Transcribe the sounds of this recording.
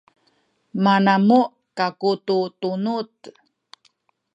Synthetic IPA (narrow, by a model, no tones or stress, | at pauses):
manamu | kakututunut